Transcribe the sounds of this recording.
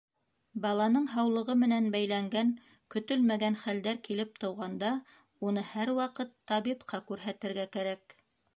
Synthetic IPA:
bɑlˠɑnɤɴɦɑwlˠɤ̆ʁɤmɘ̆nænbæjlæŋɡæŋ | kɵ̆t̪ɵlmæɡænχæld̪æɾkilɘp̚t̪ɤ̆wʁɑnd̪ɑ | unɤhæɾwɑqɤt̪ʰːɑβipqʰɑkʉɾɦæt̪ɘ̆ɾɡækæɾæk

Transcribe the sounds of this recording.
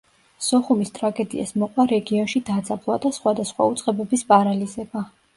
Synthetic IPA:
sɔχumist̪ʼɾaɡɛd̪ḭa̰smɔqʼwaɾɛɡiɔnʃid̪ad̪zablˠwad̪asχwad̪asχwa̰ut̪sʼqʼɛbɛbispʼaɾalizɛba

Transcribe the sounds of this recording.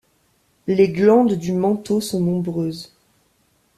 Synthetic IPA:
leɡlɑ̃d̪d̪ymɑ̃t̪osɔ̃nɔ̃bʁøːz

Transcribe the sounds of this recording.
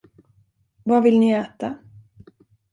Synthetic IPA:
vavɪlnɪæːt̪a

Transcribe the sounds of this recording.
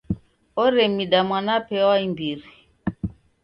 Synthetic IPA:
ɔɾɛmiɗamwanapɛaimbiɾi

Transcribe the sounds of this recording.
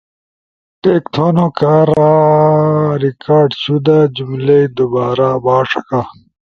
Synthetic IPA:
ʈeːkt̪ʰoːnokaːɾa | ɾikaːɾɖɕud̪ad͡ʑumleid̪ubaːɾabaːʂɐka

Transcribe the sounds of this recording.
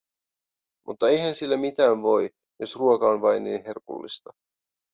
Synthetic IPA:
mʔṵt̪ːɑe̞jhænsilːæmit̪æːnʋo̞j | jo̞sruokɑo̞nʋɑjnːḭːnɦe̞rpṵlːḭst̪ɑ

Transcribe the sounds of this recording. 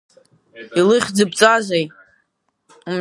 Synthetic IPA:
ilɨχʲd͡zɨbt͡sʼazʷej | um

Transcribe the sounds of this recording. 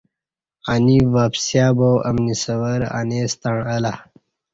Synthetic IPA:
anivaːpsjaːbowʔɐmnisɐwəɾa̰neːst̪aɳəla

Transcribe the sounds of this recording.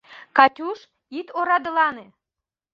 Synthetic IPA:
kɑtʲuʃ | it̪oɾɑd̪ə̆lɑne

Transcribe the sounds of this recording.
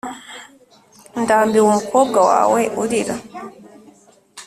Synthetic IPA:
ndambiwumkɔɡawa̰wɛjʔudiɗa

